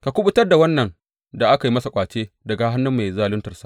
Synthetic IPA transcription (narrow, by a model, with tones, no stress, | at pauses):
ka˨kʷʊ˦ɓʊ˦tɐ˦rda˨wɐ˦nːɐ˨ŋ | da˨ʔa˦ka˨ji˦mɐ˦sa˨kʷʼaː˨t͡ʃeː˦ | dɐ˨ɡa˨ɦa˦nːʊ˦mːa˨jzaː˦lʊ˦ntɐ˨rsḁ˨ʔ